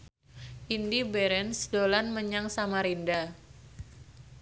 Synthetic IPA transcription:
ʔindibɛɾɛnsdolanməɲaŋsamaɾinda

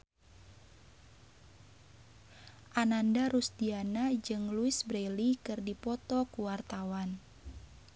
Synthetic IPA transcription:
ʔanandaɾusdianad͡ʒɨŋluɪsbɾelikɨrdipɔt̪ɔkuwart̪awan

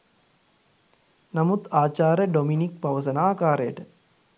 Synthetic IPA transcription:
namut̪aːt͡ʃaːɾəɖominik̚paʋəs̬ənaːkaːɾəjəʈə

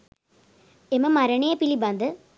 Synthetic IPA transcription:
emɐmɐɾɐɳejɐpilibɐnd̪ɯ

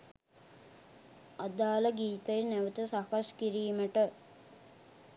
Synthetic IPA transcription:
ad̪aːləɡiːt̪əjnæʋət̪əsakaskiɾiːməʈə

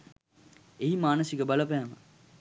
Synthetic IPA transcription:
eɦimaːnəsikəbaləpæːmə̰

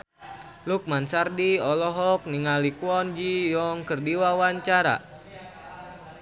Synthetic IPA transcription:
luk̚mansardiɔlɔɦɔk̚niŋalikuwɔnd͡ʒijɔŋkərdiwawaɲt͡ʃaɾa̰

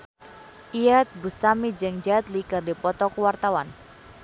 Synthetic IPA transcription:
ʔijat̪̚bust̪amid͡ʒɨŋd͡ʒat̪likɨrdipɔt̪ɔkuwart̪awan

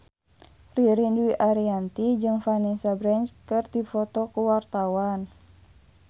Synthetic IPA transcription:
riɾindwiʔaɾiant̪id͡ʒɨŋfanɛsabɾɛnskɨrd̪ifɔt̪ɔkuwart̪awan

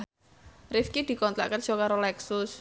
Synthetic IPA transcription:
rɪfkid̪̥i̤kɔnt̪a̰ʔkərdʒ̥ɔ̤kaɾolɛksʊs

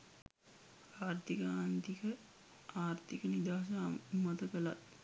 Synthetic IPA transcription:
aːrt̪ikəaːnt̪ikə | aːrt̪ikənid̪aːs̬amat̪əkəlat̪

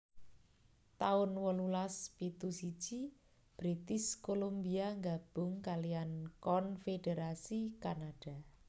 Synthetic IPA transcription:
t̪aʊnwəlulaspit̪usi̥d͡ʒ̥i | b̥ɾit̪ɪskolombiaŋɡab̥ʊ̤ŋkalijankɔnfedeɾasikanaɖ̥a̤

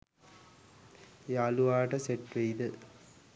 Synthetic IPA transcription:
eːaluʋaːʈɐseʈʋejd̪ə

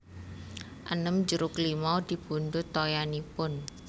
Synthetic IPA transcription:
ʔənəmd͡ʒəɾʊklimad̪̥i̤b̥ṳnd̪ʊt̪ːojanipʊn

